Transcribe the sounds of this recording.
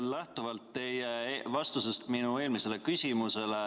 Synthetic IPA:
læht̪uvɑlt̪ːe̞jevɑst̪use̞st̪minue̞ːlmise̞le̞kysʲimuse̞le

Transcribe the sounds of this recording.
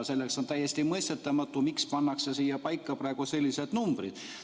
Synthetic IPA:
se̞lːe̞kso̞nt̪æjːe̞st̪imɤjst̪et̪ːˑɑmɑt̪ːˑumikspɑnːɑksesiːjɑpɑjkːˑɑpɾɑˑe̞ɡ̥use̞lʲːise̞d̪̥numb̥rḭd̪̥

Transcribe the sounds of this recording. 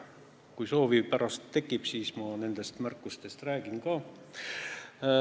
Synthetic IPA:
kujso̞ːvipæɾɑst̪ːe̞kːˑib̥siːsmɑne̞nd̪̥e̞st̪mærkːˑust̪e̞st̪ræːɡ̥inkɑː

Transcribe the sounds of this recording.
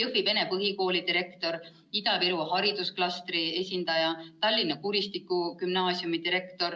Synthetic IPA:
jɯvib̥e̞ne̞pɤɦiko̞ːlid̪iɾe̞kt̪o̞ɾ | id̪ɑviɾuɦɑɾid̪usklɑst̪ɾie̞sʲind̪̥ɑjɑt̪ɑlʲːinːɑkuɾist̪ikːˑukymnɑːsiumid̪iɾe̞kt̪o̞ɾ

